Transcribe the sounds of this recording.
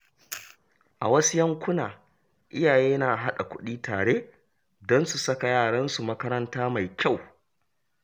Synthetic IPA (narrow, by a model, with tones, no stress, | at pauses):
ʔa˨wɐ˦su˦jɐ˦ŋkʷʊ˦naː˨ | ʔɪ˦jaː˨jeː˦naː˨ʔɦa˦ɗa̰˨kʷʊ˦ɗiː˦taː˨ɽeː˦ | dɔ˦nsu˨sɐ˦ka˨jaː˦˨ɽɐ˦nsu˨mɐ˦kɐ˦ɾɐ˦ntaː˦ma˨jkʲa˦˨w